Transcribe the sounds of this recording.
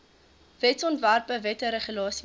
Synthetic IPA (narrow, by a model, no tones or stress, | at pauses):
vɛtsɔntværpəvɛtəɾəχulɑːsi